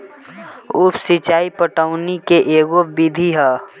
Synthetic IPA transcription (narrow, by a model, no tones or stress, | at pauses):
uːpsit͡ʃaːipəʈəʊnikeʔeːɡobid̪ʱiɦɛː